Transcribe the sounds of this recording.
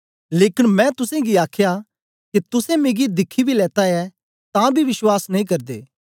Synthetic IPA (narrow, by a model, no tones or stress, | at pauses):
leːkɪnmɛ̃t̪ʊsẽɡiaːkʰja | kit̪ʊsɛ̃meːɡid̪ɪkʰːibʱilɛːt̪aɛ | t̪ãbʱiʋɪswaːsnɐĩːkɐɾd̪ḛː